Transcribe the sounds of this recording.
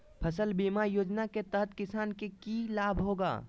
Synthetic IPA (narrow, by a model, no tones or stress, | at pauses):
pʰɐsəlbiːmajoːd͡ʒnaket̪ɐɦət̪kɪsaːnkekilaːbʱɦoːɡa̰ː